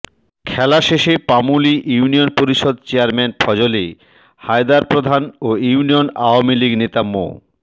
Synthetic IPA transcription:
kʰɛlaʃeʃepamuliʔjuunionpoɾiʃod̪̚t͡ɕeaɾmenpʰɔd͡ʑoli | hajd̪aɾpɾod̪ʱanouunionaoamiliɡnet̪amo̰

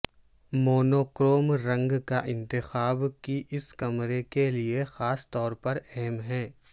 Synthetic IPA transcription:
moːnoːkɾoːmɾɐ̃ŋɡkaʔɪ̃nt̪ɪxaːbkiʔɪskɐmɾekeliexaːst̪ɔːɾpɐɾɛɦɛmɦɛ̃ː

